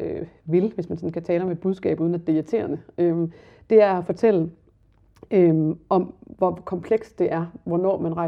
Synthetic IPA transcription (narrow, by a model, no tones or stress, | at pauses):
øʋe̝lʋe̝smænsɒ̽n̩kʰæt͡sʰɛːləɒ̽me̝d̥buð̞ˠsɡ̥ɛ̰ːb̥uðˠnæd̥e̝ɐt͡sʰe̝̰ːɐnəøm | d̥e̝æɐæfɒ̽t͡sʰel̰ə | øʔɒ̽mʋɒkʰɒ̽mpʰleɡ̥sd̥e̝ʔæɐʋɒnɒ̰ːmænʁɑ̈ɪ